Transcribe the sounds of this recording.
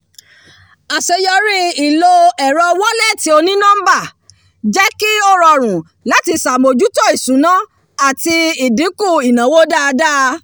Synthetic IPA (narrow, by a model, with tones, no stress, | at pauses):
a˨se˧jɔ˧ɾi˦i˨lo˧ɛ˨ɾɔ˧wɔ˦lɛ˦˨ti˨˦o˧nĩ˦nã˦m̩˦ba˦˨ | d͡ʒɛ˦ki˦o˦˨ɾɔ˧˨ɾ̃ũ˨ | la˦ti˧sa˨mo˨d͡ʒu˨˦tɔ˦˨i˨sũ˨˦nã˦ | a˨ti˧i˨di˨˦ku˦˨i˨nã˨˦wo˦da˦˧da˦